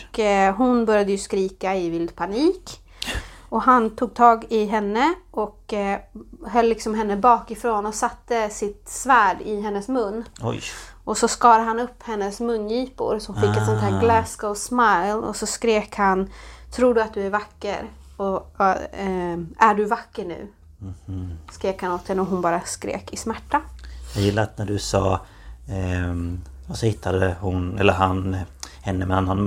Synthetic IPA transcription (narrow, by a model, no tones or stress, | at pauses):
kɦʊnbœɾjad̪əjɵskɾiːkaɪvɪld̪pʰaniːk | ɔɦant̪ʰuːɡ̚t̪ʰɑːɡɪɦɛnːəʔɔk | hœlːɪksɔmɦɛnːəbɑːkɪfɾoːnɔsat̪ːəsɪt̪svæːɖɪɦɛnːəsmɵnː | ʔɔsɔskɑːɾaɦanɵpːhɛnːəsmɵnːjiːpʊ̰ɾsɔhnfɪkːɛt̪sɔnt̪hæːɾɡlɛsɡ̥oʊsmajlɔ̰sɔskɾeːkhant̪ʰɾuːɖɵat̪̚d̪ɵæɾvakːə̰ɾ | ɔ | æɖɵvakːəɳʉ̟̰ː | skɾeːkhanot̪d̪ɛnɔɦʊnbɑːɾaskɾḛːkɪsmæʈːajɑːɡjɪlːanæɖɵsɑː | ɔsɔhɪt̪ʰːad̪əhʊnɛlːəɾɦanhɛnːəmɛnanːanm